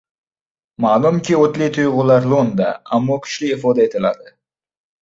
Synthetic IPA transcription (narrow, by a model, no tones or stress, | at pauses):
maːlˠumkʲiot̪lʲejt̪ʰujʁʊlˠɑɾlˠond̪ɑ̰amːokʲʰʏ̥ʃlɪefod̪aet̪alad̪ɪ